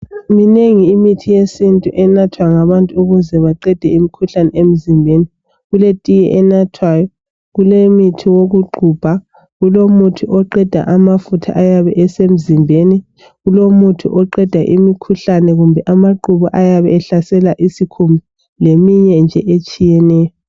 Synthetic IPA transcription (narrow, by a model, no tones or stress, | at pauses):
mineŋiːmitʰijesintʼuʔɛnatʰwaŋaβantʼuuɣuzɛβaǃɛd̥ʱɛimikʰuɬanɛem̩zimbʱeni | ɣuletʼijɛ̰ʔɛnatʰwajɔ | ɣulemitʰiwoɣuɡ͡ǃʱub̥ʱa | ɣulomutʰuʔɔǃɛd̥ʱa̰ʔamafutʰa̰ʔajaβɛʔɛsem̩zimbʱeni | ɣulomutʰṵʔɔǃɛd̥ʱaʔimikʰuɬanɛɣumbʱɛʔamaǃuβuʔajaβɛːɬasɛlaʔisikʰumi | lemiɲɛnd͡ʒʱɛʔet͡ʃʼijɛnɛːjɔ